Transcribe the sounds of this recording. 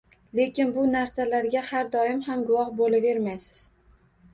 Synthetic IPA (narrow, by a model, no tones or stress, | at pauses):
le̞kʲɪnbʊnaɾsalaɾɡʲahaɾd̪ɒɪmhamɡʊwɒhbolave̞ɾmajsɪ̥z̥